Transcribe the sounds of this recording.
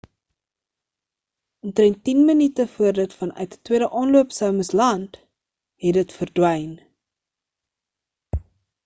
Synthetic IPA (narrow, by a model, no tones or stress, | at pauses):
ʔɔntrɛntːinmənitəfuərdətfɐnœ̰ɥtə̥twiəɾəʔɑːnluəpsœwməslɐnt | ɦɛdətfərdwəjn